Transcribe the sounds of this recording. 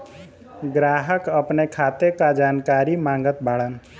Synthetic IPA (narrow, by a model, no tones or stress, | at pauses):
ɡɾaːɦəkəpnekʰaːt̪ekad͡ʒaːnkaːɾimãːŋɡət̪̚baːɭən